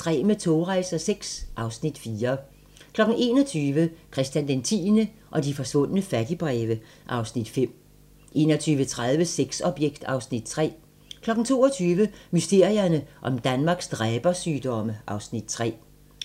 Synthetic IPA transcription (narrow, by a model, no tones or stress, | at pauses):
d̥ʁɛ̰ːmət͡sʰo̝ːʁaɪsɐseɡ̥sʔɑ̈ʊsnid̥fiːɐ | kʰlɒ̽ɡ̥n̩e̝ːnɒt͡sʰyːʋəkʰʁɛsd̥jænd̥ent͡sʰḭːnə | ʔɒ̽d̥ifɒ̽sʋɔ̽n̰ənəfæd̥ib̥ʁɛːʋə | ʔɑ̈ʊsnid̥fem̰ | ʔe̝̰ːnɒt͡sʰyːʋət͡sʰʁað̞ˠʋəseɡ̥sɒ̽b̥jeɡ̥d̥ɑ̈ʊsnid̥t͡sʰʁɛ̰ː | kʰlɒ̽ɡ̥n̩t͡sʰo̝̰ːɒt͡sʰyːʋəmysd̥e̝ɐ̰iɐnəʔɒ̽md̥ænmɑ̈ːɡ̥sd̥ʁɛːb̥ɐsyːd̥ɒ̽məʔɑ̈ʊsnid̥̚t͡sʰʁɛ̰ː